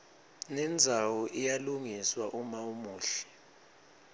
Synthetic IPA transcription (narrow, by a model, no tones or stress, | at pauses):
nɛnd͡zʱawɔʔijaluŋiswaʔumaumuːɬɛ̥